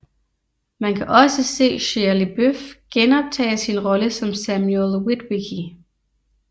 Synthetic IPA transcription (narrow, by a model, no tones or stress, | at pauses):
mænkʰæʔɒ̽səse̝̰ːɕelib̥øfɡ̥enɒ̽b̥̚t͡sʰɛ̰ːɪsinʁɒ̽ləsɒ̽msæmjlˠwid̥wiɡʰi